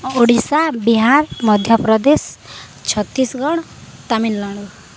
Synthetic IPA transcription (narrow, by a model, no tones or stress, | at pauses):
oɽisabiɦaɾmʌd̪ʱjʌpɾɔd̪es | t͡ʃʰʌt̪ːisɡɔɽ̃ | t̪aminlaɽ̃u